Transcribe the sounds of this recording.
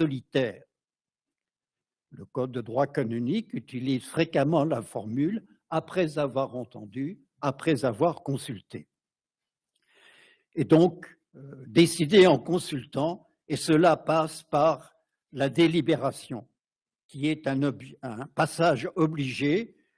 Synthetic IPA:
sɔlit̪ɛːʁ | ləkɔd̪ːəd̪ʁwaekɔnynikyt̪ilizfχekamɑ̃lafɔʁmyl | apχɛzavwaʁɑ̃t̪ɑ̃d̪y | apχɛzavwaʁkɔ̃sylt̪e | ed̪ɔ̃k | d̪esid̪eɑ̃kɔ̃sylt̪ɑ̃ | esəlapaspaʁ | lad̪elibeʁasjɔ̃ | kʲiɛt̪ɛ̃nɔbʒɛ̃pasaʒɔbliʒe

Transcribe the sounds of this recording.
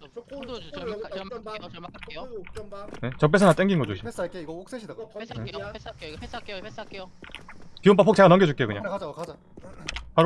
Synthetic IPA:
net͡ɕʌp̬͈ːesʰʌnat͈eŋɡinɡʌd͡ʑoɕis͈aikʰeiɡʌok̚s͈eɕʰidaɡo | kiomp̬͈apʰokt͡ɕeɡanʌŋɡed͡ʑuk͈ekɯɲa̰d͡ʑakad͡ʑa | paɾ

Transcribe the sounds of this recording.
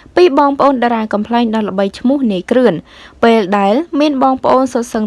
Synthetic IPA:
piːɓɑːŋpə̆ʔoːnɗaɾaːkɑmpʰlaɛŋɗɑːlə̆ɓəjt͡ɕʰmʊ̆əhniəjkrɨənpeːlɗaɛlmiənɓɑːŋpə̆ʔoːnsot̪̚səŋ

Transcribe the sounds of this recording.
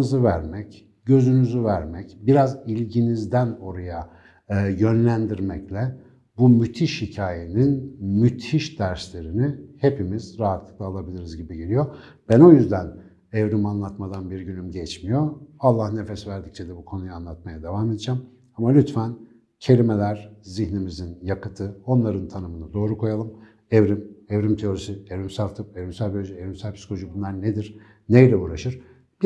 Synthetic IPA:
ɯzɯvæɾmɛc | ɟø̞zynyzyvæɾmɛcbiɾazilʲɟinizd̪æno̞ɾaja | jø̞nlʲænd̪iɾmɛclʲɛ | bumyt̪ʰiʃhicʰaːje̞ninmyt̪ʰiʃd̪̥æɾslʲe̞ɾinihe̞pimizɾaɦat̪lˠɯ̥klˠaːlˠabilʲiɾizɟibiɟelʲijo | b̥æno̞jyzd̪æn | ɛvɾymanlˠat̪mad̪anbiɾɟynymɟɛt͡ʃmijo̞alˠːahne̞fesvæɾd̪ict͡ʃʰɛd̪ɛbukʰo̞nujanlˠat̪̚majad̪avamed̪id͡ʒam | amalʲyt̪fæn | cʰe̞lʲime̞lʲæɾ̥ziçnimizinjakɯt̪ʰɯo̞nlˠaɾɯnt̪ʰanɯmɯnɯd̪o̞ːɾukʰo̞jalˠɯm | ɛvɾimɛvɾimt̪ʰeoɾisievɾimsaft̪ʰɯpevɾimsælʲbolʲod͡ʒievɾimsælʲpʰisi̥kooʒubunlˠaɾned̪iɾ̥ | nejlʲɛuːɾaʃɯɾ̥ | b

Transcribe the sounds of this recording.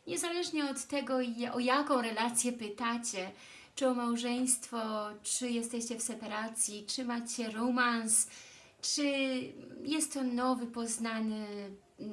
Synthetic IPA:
ɲɛzalɛʐɲɛɔt̪ːɛɡɔjʔɔjakɔ̃w̃ɾɛlat̪sʲjɛpɘt̪at͡ɕɛ | t͡ʂɨɔmawʐɛj̃st̪fɔt͡ʂɘjɛst̪ɛɕt͡ɕɛfsɛpaɾat̪sʲjit͡ʂɘmat͡ɕɛɾɔmans | t͡ʂɘ | jɛst̪ːɔnɔvɘpɔznanɘ

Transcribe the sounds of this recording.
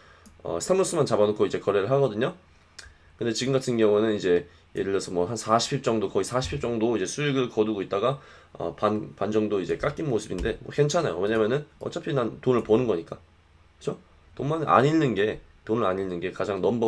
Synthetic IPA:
ʌ̰sʰamos͈ɯmant͡ɕabanokʰoid͡ʑe̞kʌɾe̞ɾɯɭɦaɡʌdɯɲo | kɯnde̞t͡ɕiɡɯmɡatʰɯnɡjʌŋunɯnid͡ʑe̞ | je̞dɯɭjʌsʰʌmwʌɦansʰaɕʰi̥pʰip̚t͡ɕ͈ʌŋdokʌisʰaɕʰi̥pʰip̚t͡ɕ͈ʌŋdoid͡ʑe̞sʰuiɡɯɭkʌduɡoit̚t͈aɡa | ʌ̰panpand͡ʑʌŋdoid͡ʑe̞k͈ak͈inmosʰɯbinde̞mwʌke̞nt͡ɕʰanajo̰we̞ɲamjʌnɯnʌ̰t͡ɕ͈ʰapʰinantonɯɭponɯnɡʌɲik͈a | kɯt͡ɕʰo | tonmana̰ɲinːɯnɡe̞ | tonɯɭaɲinɯnɡe̞kad͡ʑaŋnʌmbʌ

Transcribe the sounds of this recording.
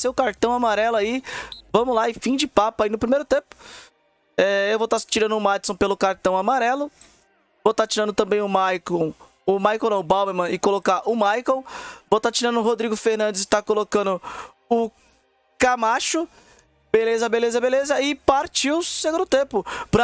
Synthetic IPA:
sewʊkaɾt̪ɐ̃w̃amaɾɛlʊaivɐ̃mʊlaɪfĩd͡ʒɪpapainʊpɾimejɾʊt̪ẽpʊ̥ | ɛewvowt̪at͡ʃiɾɐ̃nd̪ʊmat͡ʃsõw̃pelʊkaɾt̪ɐ̃w̃amaɾɛlʊ | vot̪at͡ʃiɾɐ̃nd̪ʊt̪ɐ̃mbẽj̃ʊmajkõw | ʊmajkow̃nɛ̃ʊbawbeɾmɐ̃ɪkolokaʔʊmajkõw̃vowt̪at͡ʃiɾɐ̃nʊɦod̪ɾiɡʊfeɾnɐ̃d͡ʒ̪ɪst̪akolokɐ̃nʊ | ʊ | kamaʃʊ | belezɐbelezɐbelezɐɪpaɾt͡ʃiwʊseɡũd̪ʊt̪ẽpʊpɾɐ

